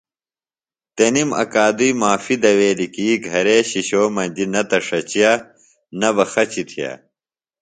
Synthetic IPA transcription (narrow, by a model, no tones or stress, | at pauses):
t̪enimɐ̰kaːd̪ujmaːfid̪ɐweːlikiːɡʱɐɾeːɕiɕoːmɐnʲd͡ʑ̪inɐt̪ɐʂɐt͡ɕijaː | nɐbɐxɐt͡ɕit̪ʰija̰ː